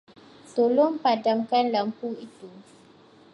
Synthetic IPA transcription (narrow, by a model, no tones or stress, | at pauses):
t̪olompadãmkãnləmpuit̪u